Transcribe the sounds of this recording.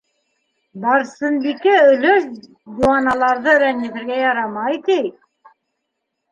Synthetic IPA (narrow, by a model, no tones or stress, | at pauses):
b̪ɑɾsɤ̆nbikæɵ̆løʃ | d̪uɑnɑlˠɑɾðɤɾæniθɘ̆ɾɡæjɑɾɑmɑjt̪ij